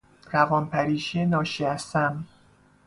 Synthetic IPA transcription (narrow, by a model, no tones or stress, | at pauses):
ɾævɒːnpʰæɾiːʃienɒːʃiæst̪æm